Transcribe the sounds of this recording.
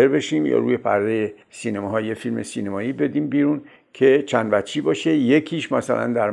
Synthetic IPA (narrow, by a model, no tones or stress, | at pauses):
eɾbe̞ʃiːmjɒ̰ːɾṵːje̞pʰæ̰ɾd̪eje | siːnemɒɦɒːjefilme̞sinemɒːiːbe̞d̪iːmbiːɾun | kʰe̞t͡ʃʰænd̪væt͡ʃʰːiːbɒːʃeje̞kʰiːʃmæsælʔæ̰nd̪æɾ